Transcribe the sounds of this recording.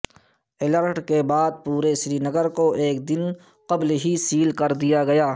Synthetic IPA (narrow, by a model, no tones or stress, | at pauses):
ɪləɾʈkebaːd̪̚puːɾesɾinəɡəɾkoʔeːkd̪ɪn | qɐblɦisiːlkɐɾd̪ijaɡɐjaː